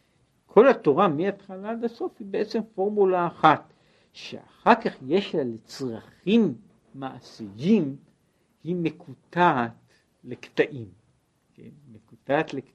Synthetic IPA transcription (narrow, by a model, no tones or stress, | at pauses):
kʰo̞lat̪o̞ʁamiat̪χalad̪aso̞fhibeʔe̞t͡se̞mfo̞ʁmulaːχat̪ | ʃḛa̰χaʁkaχje̞ʃlalet͡sʁaχimː | aʔsijim | himekʰut̪aːt̪ | lekt̪aʔim | kḛnmekut̪at̪lek